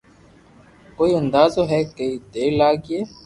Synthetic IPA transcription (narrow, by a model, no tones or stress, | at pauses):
koːiːə̃nd̪aːzoːɦɛːkeiːd̪eːlaːɡeː